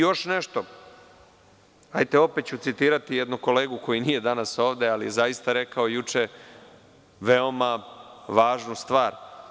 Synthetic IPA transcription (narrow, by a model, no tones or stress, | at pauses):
joʃneʃt̪o̞ | ajt̪eo̞pet̪̚t͡ɕut̪sit̪iːɾat̪ijed̪nuko̞le̞ːɡuko̞jinije̞d̪anaso̞ːʋd̪ealije̞zajist̪aɾe̞kao̞jut͡ʂe | ʋe̞omaʋaːʒnust̪ʋaːɾ